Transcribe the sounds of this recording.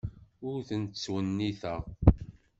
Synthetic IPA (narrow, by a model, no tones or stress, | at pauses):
ʊɾθənt̪t͡sːwənːiθæ